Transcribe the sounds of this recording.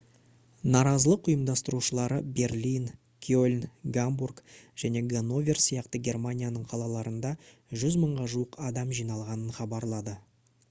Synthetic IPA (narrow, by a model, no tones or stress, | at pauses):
nɑɾɑzəlˠəqʊjəmd̪ɑst̪əɾuʃəlˠɑɾəbe̞rlʲin | kʲʰolʲnɡamburkʒ̥æne̞ɡano̞vʲersijɑqt̪əɡʲe̞rmanʲijanəɴqʰɑlˠɑlˠɑɾənd̪ɑ | ʒʏzməɴʁɑʒuəqʰɑd̪ɑmʒijnɑlˠʁɑnənχɑbɑɾlˠɑd̪ə